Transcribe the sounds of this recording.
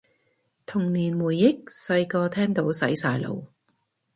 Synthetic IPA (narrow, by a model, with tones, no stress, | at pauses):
t̪ʰʊ˨˩ŋniː˨˩nmuː˨˩jːɪ˥k̚sɐ˧jkɔː˧t̪ʰɛː˥ŋt̪o˨˥wsɐ˨˥jsaː˧jlo̰˨˧w